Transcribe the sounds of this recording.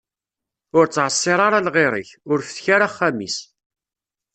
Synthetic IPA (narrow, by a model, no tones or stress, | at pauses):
ʊɾt͡sːʕəsˤːɪɾˤɑɾˤalʁeɾˤə̰çʊɾfə̥θçaɾaχːæmḭs